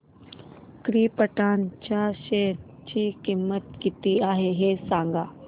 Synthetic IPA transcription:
kɾiːpəʈant͡ɕaɕeɾ | t͡ɕiːkimːət̪kit̪iaɦeɦesãŋɡa

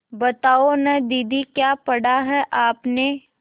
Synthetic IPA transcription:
bɐt̪aːonɐd̪iːd̪ʱikjaːpɐɽaɦɛʔaːpne

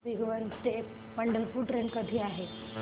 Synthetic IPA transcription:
iɡʋənt̪e | məɳɖəlpuɾʈɾenkəd̪ʱiːaɦe

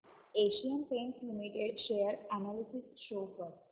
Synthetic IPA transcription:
eʃiənpẽnslimiʈeɖʃejəɾænalisisʃopəɾ

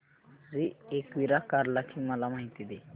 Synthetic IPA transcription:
ɾiekʋiɾakaɾlakʰimalamaɦit̪id̪e

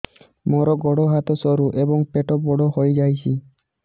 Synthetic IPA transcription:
mɔɾɔɡɔɽɔɦat̪ɔsɔɾuʔebɔŋpeʈɔbɔɽɔhojd͡ʒajsʰi

